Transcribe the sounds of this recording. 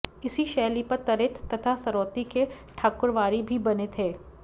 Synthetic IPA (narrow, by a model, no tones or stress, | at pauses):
ɪsiʃɛːlipɐɾt̪ɐɾɪt̪ʰːɐt̪ʰasɐɾɔːt̪ike | ʈʰaːkʊɾʋaːɾibʱibɐnet̪ʰeː